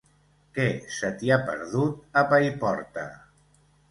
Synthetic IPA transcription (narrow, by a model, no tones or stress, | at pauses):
kɛsət̪iapə̰ɾðut̪apajpɔɾt̪ə̰